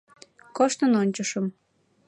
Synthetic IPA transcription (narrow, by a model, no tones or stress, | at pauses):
koʃt̪ənonʲt͡ɕəʃəm